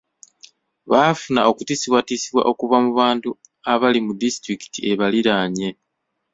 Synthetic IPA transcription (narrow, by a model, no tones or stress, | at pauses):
βafuna̰o̞kutiːsiβwatisiβwa̰ʔo̞kuβamuβaːntu | aβalimudistɾiki̥tie̞βaliɾaːɲe̞